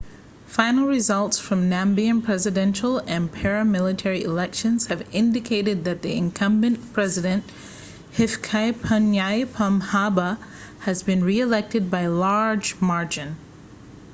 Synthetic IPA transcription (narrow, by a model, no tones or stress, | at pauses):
fãɪ̃nl̩ˠɹɨzʌlˠtsfɹʌ̃mnæ̃mbiɨ̃npʰɹ̥ɛzɨdɛ̃nʃl̩ˠɨ̃npʰɛɹɨmɪlˠɨtʰɛɹiʔɨlɛkʃɨ̃nz̥hɨvɪ̃ndɨkʰeɪɾɨd̪̚ðɨt̪̚ðiɨ̃nkʰʌ̃mbɨ̃npʰɹ̥ɛzɨɾɨ̃nʔ | hɪfkʰaɪpʰənjaɪpʰɑ̃mhabə | ɨzbɨ̃nɹiɨlɛk̚tɨd̚baɪlɑɹd͡ʒmɑɹd͡ʒɨ̃n